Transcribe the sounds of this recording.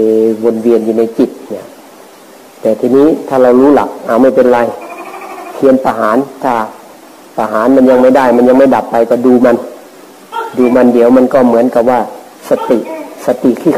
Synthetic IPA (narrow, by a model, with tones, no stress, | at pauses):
bo˧nwi˧ənjuː˧na˧˩jt͡ɕi˨˩t̪̚na˧˦˨ | t̪ɛː˨˩t̪ʰiː˧niː˧˥˨t̪ʰaː˧˩la˧wluː˧˥˨la̰˨˦k̚ʔaː˨˩wma˧˩˨pe˧nla˧˨j | kʰi˧˥ənpa˧ɦaː˨˦nt̪ʰaː˧˩ | pa˧ɦaː˨˦nma˧˥˨nɲa˧ŋma˧˥˩jda˥˩jma˧˥˨nɲa˧ŋma˥˩jda˨˦pːa˧jkɔː˧˩duː˧ma˧˨n | duː˧ma˧˥˨ndi˨˦əwma˧˥˨nkɔː˧˩mɯ˩˦ənka˧˩p̚ʋaː˧˩ | sa˧t̪i˧˩˨ʔsa˧t̪i˧˨kʰiː˧˩